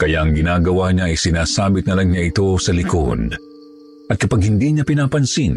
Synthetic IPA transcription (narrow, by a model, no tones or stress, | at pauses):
kɐjaʔɐŋɡɪnaːɡɐwaɲaʔɐjsɪnaːsaːbɪt̪̚nɐlaŋɲaʔɪt̪o̞sɐlɪko̰d̪̚ | ʔɐt̪̚kɐpaɡ̚hɪnd̪iɲapɪnaːpɐnsin